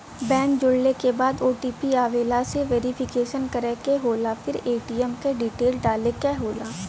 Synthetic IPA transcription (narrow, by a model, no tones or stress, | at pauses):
bɛ̃ːŋkd͡ʒʊɽnekebaːd̪oːʈiːpiaːʋeːlaseʋeːɾɪpʰɪkeːʃənkɐɾekeɦoːlafʰɪɾeːʈiːɛmkeɖiːʈeːlɖaːlekɛɦoːlaː